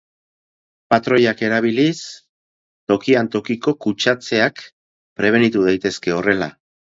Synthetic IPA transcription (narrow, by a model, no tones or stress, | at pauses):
pat̪ɾo̞jake̞ɾaβ̞ilis | t̪o̞kiant̪o̞kiko̞kut͡ʃat͡se̞ak | pɾe̞β̞e̞nit̪uðajt̪e̞ske̞o̞re̞la̰